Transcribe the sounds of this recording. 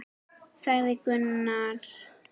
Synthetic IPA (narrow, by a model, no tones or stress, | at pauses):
sajðɪkʏnːaɾ